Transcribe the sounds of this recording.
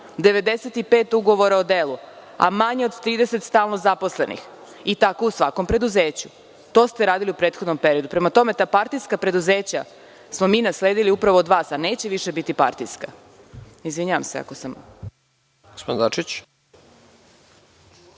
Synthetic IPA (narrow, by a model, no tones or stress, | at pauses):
d̪e̞ʋe̞d̪eset̪ipe̞ːt̪uɡo̞ʋo̞ɾaod̪eːlua̰maɲeod̪t̪ɾiːd̪ese̞t̪st̪aːlˠno̞zapo̞sle̞nḭx | it̪ako̞usʋako̞mpɾe̞d̪uzeːt͡ɕu | t̪o̞ːst̪e̞ɾaːd̪iliupɾet̪xo̞d̪nompe̞ɾio̞d̪upɾe̞mat̪o̞me̞t̪aːpaɾt̪iskapɾe̞d̪uzeːt͡ɕa | smo̞miːnasle̞ːd̪iliupɾaʋoːd̪ʋaːsaneːt͡ɕeʋiʃebit̪ipa̰ɾt̪iska̰ | izʋiɲaʋa̰msea̰kosam | ɡospod̪nd̪at͡ʃit͡ɕ